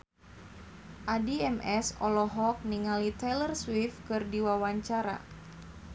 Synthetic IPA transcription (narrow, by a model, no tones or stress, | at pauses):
ʔadiɛmɛsɔ̰lɔɦɔk̚niŋalit̪ɛlərswifkɨrdiwawaɲt͡ʃaɾa̰